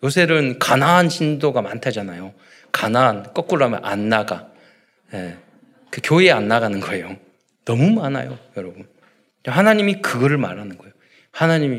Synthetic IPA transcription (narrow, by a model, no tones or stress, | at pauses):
josʰe̞ɾɯnkanaɦanɕʰindoɡamantʰad͡ʑanajo | kanaɦːnk͈ʌk͈̚uɾamjʌ̰nʔa̰nːaɡa | je | kɯkjoianːaɡanɯnɡʌejo | nʌmumana̰jojʌɾʌbun | t͡ɕahanaɲimikɯɡʌɾɯɭma̰ɾanɯnɡʌejo | hanaɲimi